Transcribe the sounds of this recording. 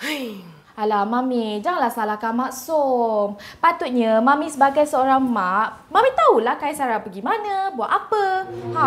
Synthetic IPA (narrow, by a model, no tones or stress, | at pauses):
aj | alamamid͡ʒaŋanlahsalakamaʔsompat̪ʊt̪̚ɲəmãmĩsəbaɡajsəoɾaŋmaʔ | mamit̪aulahkajasaɾapəɡimanabuat̪ʔapəha